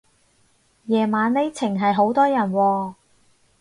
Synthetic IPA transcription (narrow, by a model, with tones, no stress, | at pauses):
jɛː˨˩maː˨˥nle˨˥jt͡sʰɪ˨˩ŋɦɐ˨jɦo˨˥wt̪ɔː˥jɐ˨˩nwɔː˧